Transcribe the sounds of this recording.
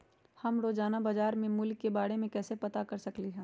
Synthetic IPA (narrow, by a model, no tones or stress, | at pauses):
hɐmɾoːd͡ʒaːnabaːd͡ʒaːɾmẽmʊlkːebaːɽemẽkɛːsepɐt̪akɐɾsɐkliɦɛ̃ː